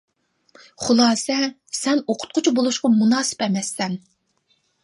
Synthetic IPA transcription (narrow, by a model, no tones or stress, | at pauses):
χʊlˠɑːsɛ | sɛnoqʰʊ̥t̪̚qʰʊt͡ʃʰubolˠuʃqɑmunɑːsɨ̥pɛmɛsːɛn